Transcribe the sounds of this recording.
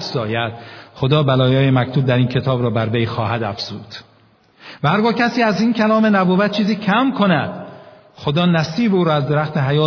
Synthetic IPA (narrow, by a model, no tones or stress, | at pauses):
zɒːjæd̪̥χo̞d̪ɒːbælɒːjɒːjemækt̪ʰuːb̚d̪æɾiːncʰe̞t̪ʰɒːbɾɒːbæɾvejxɒːhæd̪æfz̥uːd̪̥ | væhæɾɡɒːkcʰæsiːæziːncʰælɒːme̞næboːvæt̪̚t͡ʃʰiːziːcʰæmkʰo̞næd̪̥ | xo̞d̪ɒːnæsiːbuːɾɒːæzd̪eɾæxt̪eɦæjɒː